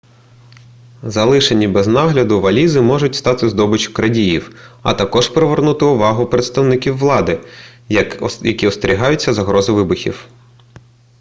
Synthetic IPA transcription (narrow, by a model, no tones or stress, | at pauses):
zɐlˠɪʃenʲibɛznɑɦlʲɐd̪ʊʋɐlʲizɪmɔʒʊtʲst̪ɑt̪ɪzd̪ɔbɪt͡ʃʲʊ̥kɾɐdʲijiwɐ̰t̪ɐkɔʒpɾeʋernut̪ɪʊʋɑɦʊpɾet̪st̪ɐwnɪkʲiwːlˠɑd̪ɪ | jɐkʲiɔst̪eɾʲiɦɑjʊtʲt͡sʲːɐzɐɦɾɔzɪʋɪbʊxʲḭw